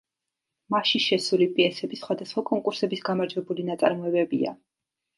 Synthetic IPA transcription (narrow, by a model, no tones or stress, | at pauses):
maʃiʃɛsulipʼiɛsɛbisχwad̪asχwakʼɔŋkʼuɾsɛbisɡamaɾd͡ʒwɛbulinat̪sʼa̰ɾmɔɛbɛbḭa̰